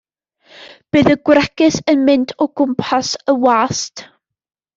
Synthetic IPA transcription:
b̥ɨːðəɡ̥wrɛkɨθənmɪntʰɔɡʊmpʰasəwaːst

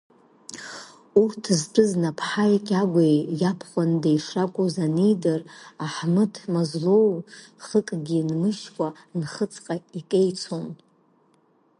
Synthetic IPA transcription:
urtʰzpʷʰʼɨznapʰħajkʲʼaɡʷajjapʰχʷandejʂakʷʼozanijdaraħmɨtʰmazlowχəkʼɡʲinmɨʃkʷʰʼa | nχət͡sʰʼqʼaikʼejt͡sʰon

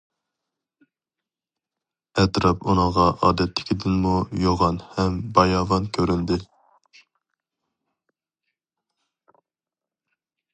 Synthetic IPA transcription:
ɛt̪ɾɑpʰunəŋʁɑʔɑːd̪ɛt̪ʰlːɪ̥kʲʰid̪ɪnmujoʁɑnhɛmbɑjɑːvɑnkʲʰøɾynd̪ɪ

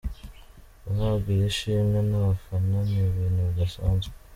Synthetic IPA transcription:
ahabɡiɾeʃiːmɡanaβafananiβinuβɡasaːnze̥

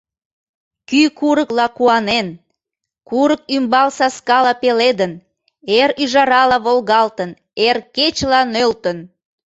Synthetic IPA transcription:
kykuɾəklɑkuɑnen | kuɾək̚ymbɑlsɑskɑlɑpeled̪ən | eɾyʒɑɾɑlɑβolɣɑlt̪ən | erket͡ɕlɑnølt̪ən

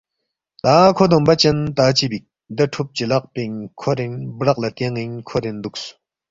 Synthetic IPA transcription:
t̪akʰod̪oŋpat͡ɕənt̪at͡ɕibik̚ | d̪əʈ͡ʂʰup̚t͡ɕəlaʔ̚peŋkʰoɾenbrak̚lat̪eŋŋinkʰoɾend̪uk̚so̥

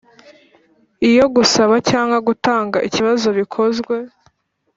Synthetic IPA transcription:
ijo̞ɡusaβacaːŋɡwaɡutaːŋɡaʔiciβazo̞βikʰo̞zɡwe̞

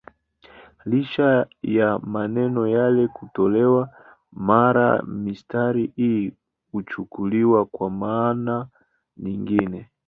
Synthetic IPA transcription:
liʃajamanɛnɔjalɛkutɔlɛwa | maɾa̰mistaɾiʔi | kut͡ʃukuliwakwamana | ɲiŋɡinɛ

